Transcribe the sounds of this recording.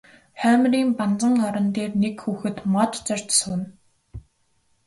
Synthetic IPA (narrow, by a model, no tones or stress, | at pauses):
χæːmriːmpant͡sə̆ŋɔɾɞ̆nt̪eːrnekxuːxɘ̆t̪mɔt̪t͡sœrʲt͡ɕsʊn